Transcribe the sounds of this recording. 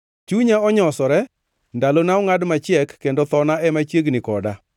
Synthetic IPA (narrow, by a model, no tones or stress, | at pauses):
t͡ʃuɲaɔɲɔsɔɾɛ | ndalonaɔŋadmat͡ʃɪɛkːendot̪ɔnaɛmat͡ʃjeɡnɪkɔda